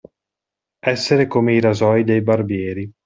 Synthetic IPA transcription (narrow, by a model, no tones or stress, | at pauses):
ɛsːeɾekomeiɾazɔjd̪ejbarbjɛːɾi